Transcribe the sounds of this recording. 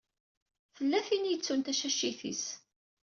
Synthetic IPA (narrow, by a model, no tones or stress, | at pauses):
θəlːæθinijət͡sːunt̪æʃæʃːiθḭs